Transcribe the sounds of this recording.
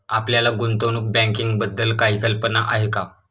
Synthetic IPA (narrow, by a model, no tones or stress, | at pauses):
apljalaɡunt̪onuk̚bɛ̃ŋkiŋɡbəd̪ːəlkaɦikəlpənaʔaɦeka